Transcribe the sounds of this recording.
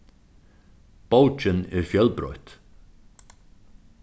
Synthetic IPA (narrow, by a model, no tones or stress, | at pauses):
powt͡ʃɪnɛɾfjœlpɾɔ̰ɥht̪